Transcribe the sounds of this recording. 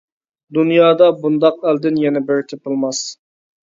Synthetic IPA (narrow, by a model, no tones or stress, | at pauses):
d̪unjɑːd̪ɑbund̪ɑqæld̪ɪnjɛnɛbeɾt̪ʰɪpɨlˠmɑs